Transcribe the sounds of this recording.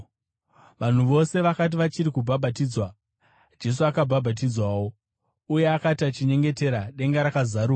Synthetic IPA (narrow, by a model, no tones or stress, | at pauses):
ʋan̤uʋo̞se̞ʋakat̬iʋat͡ʃiɾikubʱabʱat̬iːd͡zwa | d͡ʒe̞s̬uakabʱabʱat̬id͡zwawo̞ | uje̞akatiat͡ʃiɲe̞ŋɡe̞te̞ɾaɗe̞ŋɡaɾakazaɾuːa